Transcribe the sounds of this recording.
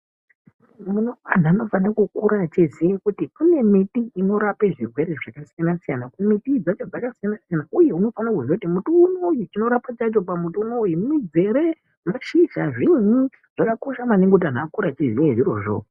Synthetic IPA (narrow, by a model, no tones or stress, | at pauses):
munoan̤ano̞fanakukuɾat͡ʃizijekutikune̞mitiino̞ɾape̞ʐirwe̞ɾeʐakasijanasijanakunemitid͡zat͡ʃod͡zakasijanasijanauje̞uno̞fanakuzokutimutuːnojut͡ʃino̞ɾapat͡ʃat͡ʃo̞pamutunojimumid͡zeɾe | maʃiʒaʐiɲi | ʐ̥akakoʃamaneŋɡeut̬an̤akuɾat͡ʃizijeʐiro̞̰ʐo̰